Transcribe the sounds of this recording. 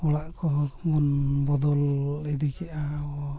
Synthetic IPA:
ɔɽaʔkɔɦɔkmɔnbɔd̪ɔlɛd̪ikɛʔaɔ

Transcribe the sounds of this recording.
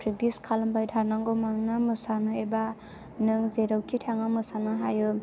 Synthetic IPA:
pʰɾik̚diskʰalambajdʱanaŋɡomaŋnamɯsanɯeba | nɯŋzeɾɯwkʰitʰaŋamɯsanɯɦajɯ

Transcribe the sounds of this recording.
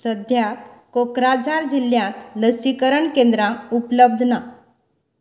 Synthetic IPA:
səd̪ʱjakkokɾad͡zaɾd͡ʑiljãt̪ləsikəɾəɳkẽnd̪ɾãupləb̚d̪ʱna

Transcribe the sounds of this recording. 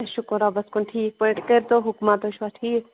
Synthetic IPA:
ʃʊkɾabɐskuɳʈʰiːk̚pɔĩɳʈkəɾt̪oɦʊkmat̪oʃʋaʈʰiːk

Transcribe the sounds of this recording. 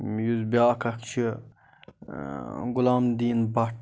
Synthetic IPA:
juzbiaːkʰɐkt͡ʃʰi | ɡʊlaːmd̪iːnbaʈ

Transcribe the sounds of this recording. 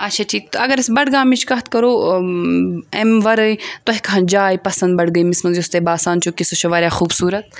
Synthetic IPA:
ɐtːʃʰaːt͡ʃʰiːkt̪ɐɡɐɾɪsbɐɽɡãːmit͡ʃʰkɐɦt̪kɐɾoː | emʋɐɾəit̪oɦikɐɦɐ̃nd͡ʒaːjipɐsɐnd̪̚bɐɽɡɐiːmɪsmɐnzust̪ebaːsaːnt͡ʃʰukisoʃɐʋaːɾjaːxuːbsuːɾɐt̪̚

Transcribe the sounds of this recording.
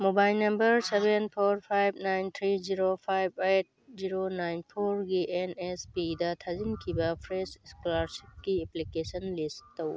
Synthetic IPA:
mobajlnɐmbɐɾsebenpʰoɾpʰajbʱnajnt̪ʰɾiziɾopʰajbʱejt̚ziɾonajnpʰoɾɡiʔenespidɐt̪ʰɐzinkʰibapʰɾeseskolaɾsip̚kieplikesɐnlisttɐw

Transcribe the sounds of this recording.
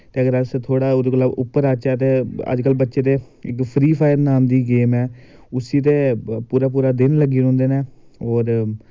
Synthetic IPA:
t̪eːəɡəɾəst̪ʰoːɽaːd̪oɡəlaːbʊpːəɾaːt͡ʃɛːt̪̬eːə̰d͡ʒkəlbətːʃeːt̪eː | ɪkpʰɾiːpʰaːɪjəɾnaːmd̪iːɡeːmɛː | ʊsiːt̪eːpuːɾaːp̬uːɾaːd̪ɪnləɡiːʊ̃ːnd̪eːneː | ɦoːɾ

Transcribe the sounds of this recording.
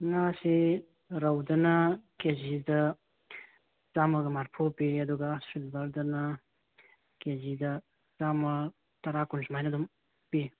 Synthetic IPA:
ŋasi | ɾawdɐnɐkezidɐ | zamɐɡɐmaɾpʰopiɐduɡasilbɐɾdɐnɐ | kezidɐ | zamɐ | tɐɾakunsmajnɐdum | pi

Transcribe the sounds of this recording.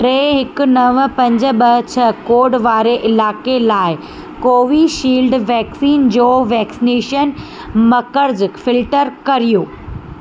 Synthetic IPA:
ʈɾeːɦɪkʊ̆nɐʋpɐ̃ɲd͡ʑə̆ɓɐɦt͡ɕʰɐkoːɖʋaːɾeʔɪlaːkelaːɪ | koːʋiʃiːlɖʋɛːksiːnd͡ʑoːʋɛːksineːʃən | mɐkəɽd͡ʑɪkfɪlʈəɾkɐɾijoː

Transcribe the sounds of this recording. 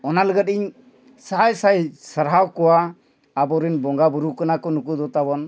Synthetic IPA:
ɔnaləɡət̪̚iɲ | saɦajsajsəɾɦawkɔwaː | bɔɾinbɔŋɡabuɾukanakɔnukud̪ɔt̪abɔn

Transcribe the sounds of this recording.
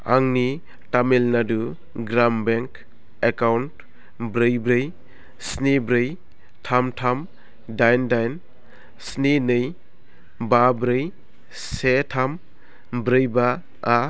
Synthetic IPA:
a̰ŋni | tamelnadu | ɡɾambeŋk | ekawnt | bɾɯjbɾɯj | snebɾɯj | tʰamtʰam | dajndajn | snenɯj | babɾɯj | setʰam | bɾɯjba | a

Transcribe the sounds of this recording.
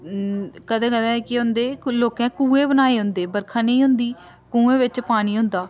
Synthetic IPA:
kəd̪ãːkəd̪ɛ̃ːkɪɦʊ̃nd̪eːloːkɛ̃ːkũːẽːbənaːeːɦʊnd̪eːbəɾkʰãːnəĩːɦʊ̃nd̪iː | kũːẽːʋɪt͡ʃpaːñiːɦʊ̃nd̪aː

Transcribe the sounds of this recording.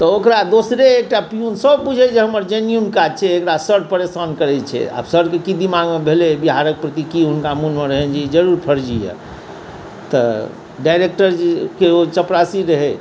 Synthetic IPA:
t̪ɔokɾad̪osɾeːk̚ʈapijunsəbpud͡ʒʱɛd͡ʒeɦəməɾd͡ʒenijunkad͡ʒt͡ʃʰɛːkɽasəɾɖpəɾesənkəɾɛt͡ʃʰɛ̰a̰bsəɾɖkekid̪imaɡmebʱelebiɦaɾək̚pɾət̪ikiɦunkamunmeɾəɦɛnd͡ʒid͡ʒəɾuɾpʰəɾd͡ʒijɛ̰ | t̪ɔ | ɖajɾek̚ʈəɾkeot͡ʃəpɾasiɾəɦɛ

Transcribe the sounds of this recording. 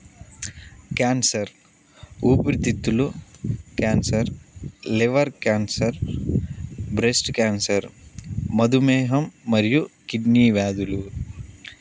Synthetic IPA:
kaːnsɐɾ | uːpɾit̪ːit̪ːulukaːnsɐɾleʋɐɾkaːnsɐɾ | bɾesʈkaːnsɐɾmɐd̪umeːɦɐmːɐɾjukiɖniːʋaːd̪ulu

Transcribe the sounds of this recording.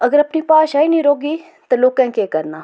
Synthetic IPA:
ɐɡəɾɐpnipaːʃaːinĩɾoːɡi | t̪ɐloːkɛ̃kekɐɾnaː

